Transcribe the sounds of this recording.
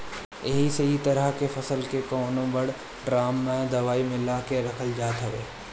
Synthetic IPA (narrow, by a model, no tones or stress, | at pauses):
jɐɦisɐɦit̪ɐɾəɦkefʰɐsəlkekɔːnõbɐɽ | ɖɾaːmːẽd̪ɐʋaːimɪlakeɾɐkʰəld͡ʒaːt̪ɦɐʋḛː